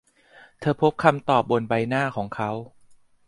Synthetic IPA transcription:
t̪ʰɤː˧pʰo˦˥p̚kʰa˧mt̪ɔː˨˩p̚bo˧˩nba˧jnaː˥˩kʰɔː˩˦ŋkʰa˦˥w

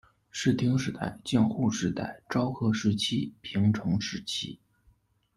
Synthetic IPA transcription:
ʂɻ̩˥˩t̪ʰi˥ŋʂɻ̩˧˥t̪a̰˥˧ɪt͡ɕjɛ˥˧nxu˥˩ʂɻ̩˧˥t̪a̰˥˩ɪʈ͡ʂɑ˥ʊxʰɤ˥ʂɻ̩˧˥˩t͡ɕʰi˥pʰi˧˥ŋʈ͡ʂʰɤ˧˥ŋʂɻ̩˧˥˩t͡ɕʰḭ˥

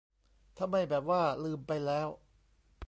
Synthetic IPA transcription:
t̪ʰa˧mːa˧˩jbɛː˨˩p̚waː˥˩lɯː˧˩mpa˧jlɛː˦˥w

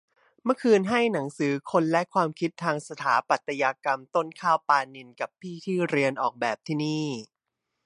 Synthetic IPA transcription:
mɯ˥˩əkʰɯː˧nɦa˥˩jna˩˦ŋsɯː˩˦kʰo˧nlɛ˦˥kʰwaː˧mkʰi˦˥t̪ʰːaː˧ŋsa˧t̪ʰaː˩˦pa˨˩t̪ʰːa˧jaː˧ka˧mt̪o˥˩nkʰaː˥˩wpaː˧ni˧nka˨˩pʰːiː˥˩t̪ʰiː˥˩ɾi˧ənʔɔː˨˩k̚bɛː˨˩p̚t̪ʰiː˥˩niː˥˩

